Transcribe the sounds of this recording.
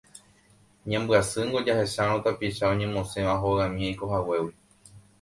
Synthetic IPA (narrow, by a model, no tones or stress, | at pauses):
ɲãmbɨasɨŋɡod͡ʒahe̞ʃaɾ̃õt̪apiʃaõ̞ɲẽ̞mõsẽ̞ʋaɦoãmĩajko̞ɦawe̞wi